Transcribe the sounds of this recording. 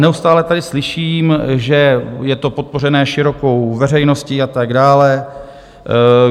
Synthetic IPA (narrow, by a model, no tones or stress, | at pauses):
nɛust̪aːlɛt̪adɪslɪʃiːmʒɛjɛt̪o̞po̞t̪̚por̝ɛnɛːʃɪɾo̞ko̞wvɛrɛjno̞sciat̪aɡdaːlɛ